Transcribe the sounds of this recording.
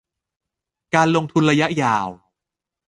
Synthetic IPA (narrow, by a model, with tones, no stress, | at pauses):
kaː˧nlo˧ŋt̪ʰu˧nɾa˧ja˦˥ʔjaː˨˩w